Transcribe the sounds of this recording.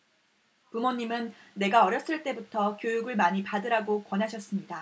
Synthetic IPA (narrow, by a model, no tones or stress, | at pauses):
pumoɲːimɯnːe̞ɡaʌɾjʌs͈ɯɭt͈e̞butʰʌkjojuɡɯɭmaɲipadɯɾaɡokwʌnɦaɕʰʌs͈ɯmɲida